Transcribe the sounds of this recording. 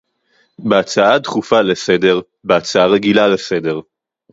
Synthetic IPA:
beat͡saat̪χufalesede̞ʁ | beat͡saaʁeɡilalesede̞ʁ

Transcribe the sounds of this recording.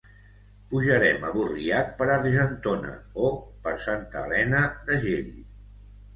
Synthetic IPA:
puʒəɾɛməβuriat̪̚pəɾarʒənt̪onə̰opəɾsant̪əːlɛnəd̪əʒeʎi

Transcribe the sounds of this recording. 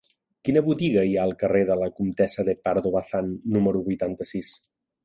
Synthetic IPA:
kinəβut̪iɣəiaəlˠkəreðələkumt̪ɛsəðəpaɾðoβaθanːuməɾuβujt̪ant̪əsis

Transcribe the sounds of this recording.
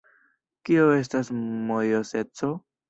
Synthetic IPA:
kioe̞s̬tasmojose̞t͡so̞

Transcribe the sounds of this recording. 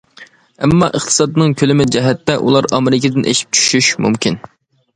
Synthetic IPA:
ɛmːɑʔəχt̪ʰɨ̥sɑd̪ɨnɨŋkʲʰølɪmɪd͡ʒɛɦɛt̪ːɛʔulˠɑɾɑmɪɾɪkʲʰɪd̪ɪnʔḛʃi̥p̚t͡ʃʰy̥ʃyʃmṵmkʲʰin

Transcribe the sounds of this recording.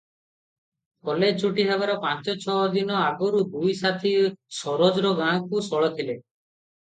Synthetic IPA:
kɔlet͡ʃuʈiɦabaɾɔpãt͡ʃɔt͡ʃʰɔd̪inɔaɡɔɾud̪ujsat̪ʰisɔɾod͡ʒɾɔɡãkusɔɭɔt̪ʰile

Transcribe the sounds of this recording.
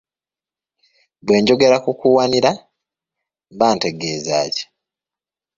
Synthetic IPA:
βwe̞ːɲɟo̞ɡe̞ɾakukuwaniɾa | βaːnte̞ɡe̞ːza̰ːce̥

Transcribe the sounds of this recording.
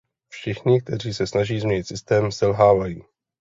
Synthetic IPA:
fʃɪxɲɪk̚t̪ɛriːsɛsnaʒiːzmɲɛɲɪt̪sɪst̪ɛːmsɛlɦaːvajiː

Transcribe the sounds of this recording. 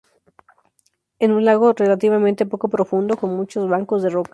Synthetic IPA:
enunlaɣo̞re̞lat̪iβamẽnt̪e̞po̞ko̞pɾo̞fund̪o̞ko̞nmut͡ʃo̞zβaŋko̞zðe̞ro̞ka

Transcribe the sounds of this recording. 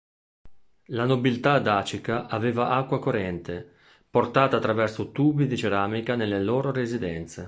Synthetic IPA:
lanobilt̪ad̪aːt͡ʃikaʔaveːvaʔakːwakoɾɛnt̪e | port̪aːt̪aːt̪ːɾavɛrsot̪uːbid̪it͡ʃeɾaːmikanelːeloːɾoɾezid̪ɛnt̪se

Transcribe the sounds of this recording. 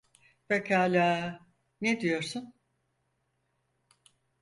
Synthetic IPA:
vekʰaːlʲaː | ned̪ijo̞ɾsun

